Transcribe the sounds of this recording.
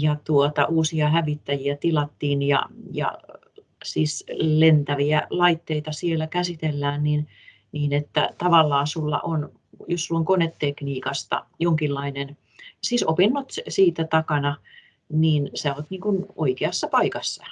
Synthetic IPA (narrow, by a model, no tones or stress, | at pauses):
jɑt̪uot̪ɑ̰ʔuːsiɑhæʋit̪ːæjiæt̪ilɑt̪ːiːnjɑ̰jɑ̰ | siːslent̪æʋiælɑit̪ːeit̪ɑsielːækæsit̪elːæːnnin | niːnet̪ːæ̰t̪ɑʋɑlːɑːsulːɑ̰ʔon | jossulːoŋkonet̪ːekniːkɑst̪ɑ̰joŋkilːɑinen | siːsopinːot̪siːt̪æt̪ɑkɑnɑ | niːnsæːoːt̪niːŋkuno̰ikeɑsːɑpɑikɑsːɑ